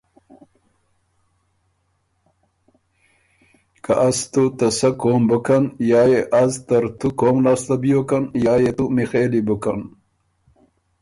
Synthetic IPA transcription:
kaʔast̪ut̪ɐsakoːmbəkanjɑːjeʔazt̪ɐɾt̪ukoːmlaːslabijokanjaːjet̪umixeːlibukan

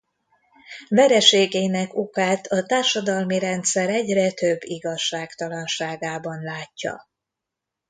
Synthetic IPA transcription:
vɛɾɛʃeːɡeːnɛkokaːt̪ʰɒt̪aːrʃɒd̪ɒlmiɾɛnt̪sɛɾɛɟrɛt̪ø̞bːiɡɒʃːaːkt̪ɒlɒnʃaːɡaːbɒnlaːcːɒ̰

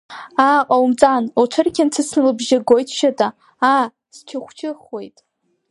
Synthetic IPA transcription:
aqʼawmt͡sʼanoʈ͡ʂʷʰɨrkʲʰant͡sʰɨsnɨlɨbʒɪɡojtʰʃatʼa | a | st͡ʃʰaχʷt͡ʃʰɪχwejtʼ

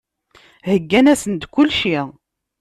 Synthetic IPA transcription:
həɡːænæsənd̪kʊlːʃi

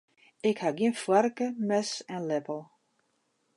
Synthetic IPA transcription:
ɪkhaɡinfwaɾkəmɛsɛ̃nlɛpəlˠ

